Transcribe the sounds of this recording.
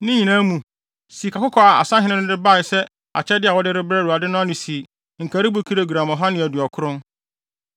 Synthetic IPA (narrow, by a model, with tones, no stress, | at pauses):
nɪ̃˦ɲĩ˨nãː˦mũ˨ | si˨kʰa˨kʊ˦kʰɔ˦a˨a̰˨sã˦ɦɪ̃˦nɪ̃˦nʊ̃˦dɪ˦ba˦˨ɪ˨sɛ˦ | a̰˨t͡ɕʰɛ˦dɪ˦a˨wɔ˦dɪ˦ɾɪ˦bɾɛ˦ɾu˨a˨dɪ˦nʊ̃˦a˦nɪ̃˨si˨ | ŋ̩˨kʰa˨ɾɪ˦bʊ˦kʰi˦ɾe˦ɡu˨ɾã˨mɔ̃˨ɦa˦nɪ̃˨æ˨du˨ɔ˨kʰʊ˦ɾʊ̃˦n